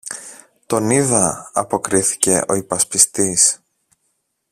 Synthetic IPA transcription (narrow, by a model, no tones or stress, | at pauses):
t̪o̞niðɐɐ̰po̞kɾiθi̥ce̞ʔo̞ipɐspist̪is